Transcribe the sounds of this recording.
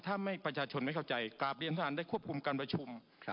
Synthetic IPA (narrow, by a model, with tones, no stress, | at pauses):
t̪ʰaː˥˩ma˥˩jpɾa˧t͡ɕʰaː˧t͡ɕʰo˧nma˥˩jkʰwt͡ɕa˧jklaː˨˩p̚ɾi˧ənt̪ʰa˧aː˩˦da˥˩kʰu˥˩əp̚kʰu˧mkaː˧npɾa˧t͡ɕʰu˧m